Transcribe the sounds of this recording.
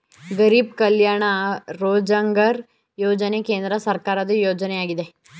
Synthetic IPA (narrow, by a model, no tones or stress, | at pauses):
ɡəɾiːbkɐljaːɳ̃aɾoːd͡ʒəŋɡəɾ | joːd͡ʒənekẽːnd̪ɾəsɐɾkaːɾad̪ejoːd͡ʒəneaːɡid̪e